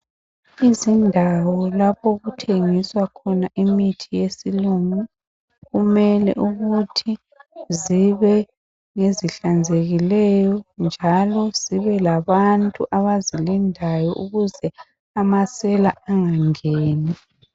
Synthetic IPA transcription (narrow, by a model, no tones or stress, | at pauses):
izindʱawɔlapʰoɣutʰeŋiswakʰɔnaʔimitʰijesiluŋu | ɣumɛlɛ̰ʔuɣutʰi | ziβɛ | ŋeziɬand͡zʱeɣilɛjɔnd͡ʒʱalɔz̥iβɛlaβantʼuʔaβazilindʱajɔ̰ʔuɣuzɛ | amasɛlaaŋaŋeːni